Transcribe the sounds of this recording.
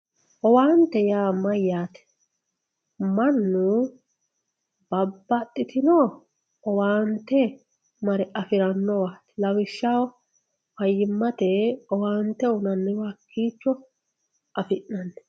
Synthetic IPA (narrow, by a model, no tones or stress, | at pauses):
ʔɔwaːnt̪ɛjaːmɐjːaːt̪ɛ̥ | mɐnːʊ | b̥ɐbːɐt̪ʼːɪt̪ɪnoː | ɔwaːnt̪ːɛ | mɐɾɛʔɐfɪɾɐnːɔwaːt̪lɐwɪʃːaw | wɐjːɪmːɐt̪ɛɔwaːnt̪ːɛʊnɐnːɛwɐkʰːiːt͡ʃːɔ | ʔɐfɪnːɐnːɛ̥